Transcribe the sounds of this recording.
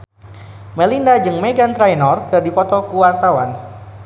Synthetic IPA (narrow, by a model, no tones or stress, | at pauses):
məlindad͡ʒɨŋmeɡant̪ɾajnɔrkɨrdifɔt̪ɔkuwart̪awan